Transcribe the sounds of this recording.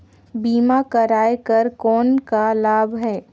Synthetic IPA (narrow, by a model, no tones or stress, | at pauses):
biːmakɐɾaːekɐɾkɔːnkalaːbʱɦɛː